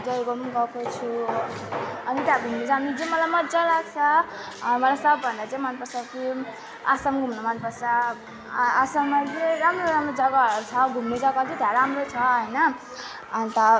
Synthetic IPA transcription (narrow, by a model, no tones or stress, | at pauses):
d͡zʌɡomunɡʌkʰot͡sʰu | ʌnit̪jaɡʱumnid͡zanit͡sʌmʌlajmʌd͡zalaɡt͡sʰʌ | mʌlasʌbːʱʌnd̪at͡saĩmʌnpʌsaki | asʌmɡʱumnomʌnpʌsaː | sʌmːat͡seɾamroɾamrod͡zʌɡat͡sʰʌɡʱumned͡zʌɡʌt̪id̪ʱeɾaɾamrot͡sʰʌɦʌjnʌː | nit̪ʌ